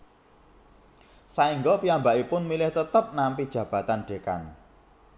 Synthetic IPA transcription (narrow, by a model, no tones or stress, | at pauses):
saiŋɡɔpiambaʔipʊnmilɪht̪ət̪əp̚nampid̥ʒ̥ä̤b̥a̤t̪anɖ̥e̤ka̰n